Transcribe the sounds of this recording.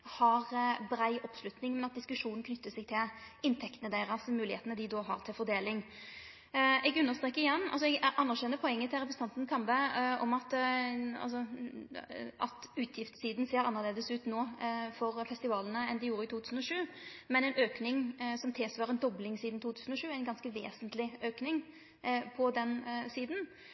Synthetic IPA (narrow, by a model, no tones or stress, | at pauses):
hɑʁbɾæɪʔɔpslʉt̪nɪŋmɛnɑt̪̚d̪ɪskʉʂuːn̩kʰnʏt̪ːəsɛɡ̚t̪ʰɪlɪnt̪ʰɛkt̪nəd̪æɪʁɑsmʉːlɪheːt̪nəd̪ɪd̪oːɦɑ̰ʁt̪ʰɪlfɔɾd̪eːlɪŋ | ɛɡʉnːəʁst̪ɾeːkːəɾɪjɛnːɑ̰lsɔɛɡæʔɑnːəʁɕɛnːəpʰɔɛŋːət̪ʰɪlʁɛpɾəsəɑnt̪nkʰɑmbəɔ̰mɑt̪ɑ̰lsɔ | ʔɑ̰t̪ʉːt̪ʰjɪft̪siːd̪n̩seːɾɑnːəʁleːd̪əsʉːt̪noːfɔʁfɛst̪ɪʋɑːlənəɛnd̪ɪjuːɾəɪt̪ʰuːt̪ʰʉːsn̩ɔʂʉːmɛnɛnøːknɪŋsɔmt̪ʰɪːsʋɑːɾɛnd̪ɔblɪŋsiːd̪n̩t̪uːt̪ʰʉːsn̩ɔʂʃʉːæɪnɡɑnskəʋḛːsənt̪lɪøːknɪŋ | pʰɔd̪ɛnsiːd̪n̩